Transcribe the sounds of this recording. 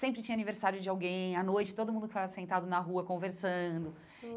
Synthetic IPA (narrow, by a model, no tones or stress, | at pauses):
sẽmpɾɪt͡ʃĩɲɐaniveɾsaɾjʊd͡ʒɪawɡẽj̃ɐnojt͡ʃɪt̪od̪ʊmũnd̪ʊkɪfavɐsẽnt̪ad̪ʊnɐɦuɐkõveɾsɐ̃d̪ʊ